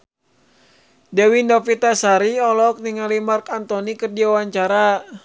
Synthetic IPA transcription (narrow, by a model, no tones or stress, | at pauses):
dɛwindɔfit̪asaɾiɔlɔk̚niŋalimarkant̪ɔnikərd͡ʒiawaɲt͡ʃaɾa